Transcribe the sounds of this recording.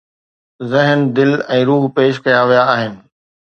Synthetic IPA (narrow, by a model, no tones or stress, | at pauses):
zɪɦnd̪ɪlɛ̃ːɾuːɦpeːʃ̬kɐjaʋijaːɦɪnɪ̆